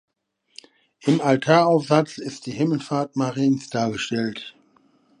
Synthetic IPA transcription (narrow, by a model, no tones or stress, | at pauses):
ʔɪmaltʰaːɐaʊfz̥at͡sɪst̚d̥iːhɪml̩faːɐtmaʁiːnsd̥aːɐɡəʃtɛlt